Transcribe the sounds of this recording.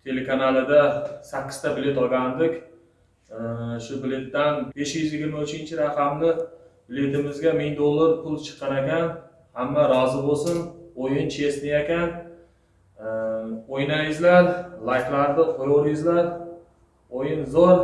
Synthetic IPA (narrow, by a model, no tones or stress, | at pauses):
t̪ʰe̞lekʰanalˠɪd̪asakʲːɪ̥z̥t̪ʰabɪle̞t̪ɒɡʲand̪ɪkʲ | ʃʊbɪle̞t̪ːanbe̞ʃjʏzjɪɡʲɪɾmaʊt͡ʃɪnt͡ʃʰɪɾaqʰɑmlɪbɪle̞t̪ɪmɪzɡʲamɪŋd̪olˠːaɾpʰʊlˠt͡ʃʰɨ̥qʰːɑɾakʲan | hamːaɾɒzɪbosɪnojɪnt͡ʃʰe̞snɪjakʲan | ojnajɪzlaɾlˠajklaɾd̪ɪqʰojoɾjɪzlaɾ | ojɪnzoɾ